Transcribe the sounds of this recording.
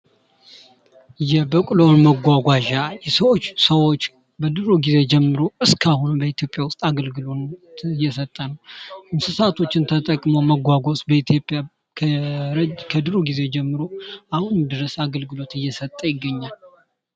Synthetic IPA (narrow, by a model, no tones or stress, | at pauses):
jɛbəkʼlownməɡʷaɡʷaʒajɛsəwot͡ʃːsəwo̞t͡ʃː | bəd̪ɨɾoɡize̞d͡ʒɛmːɨɾoɨskʰahunmbəit̪ʰjo̞pʼjawʊst̪ʼaɡəlɡɨlot̪ɨjːɛsət̪ʼːənəwʔɨnsɨsat̪ʰo̞t͡ʃːɪnt̪ʰət̪ʼəkʼmoməɡʷaɡʷo̞sʼbəit̪ʰjo̞pʼja | kʰ | kʰəd̪ɨɾoɡize̞d͡ʒɛmːɨɾoʔahunmd̪ɨɾəsaɡəlɡɨlo̞t̪ɨjːɛsət̪ʼːəjɪɡːəɲːal